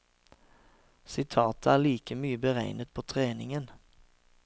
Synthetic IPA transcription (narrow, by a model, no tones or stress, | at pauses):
sɪt̪ʰɑːt̪əæːʁliːkəmyːəbəʁæɪnət̪̚pʰoːt̪ʰʁeːnɪŋən